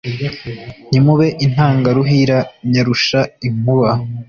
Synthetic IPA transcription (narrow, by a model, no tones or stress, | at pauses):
ɲimuβe̞ʔin̥haːŋɡaɾuɦiɾaɲaɾuʃaimuβa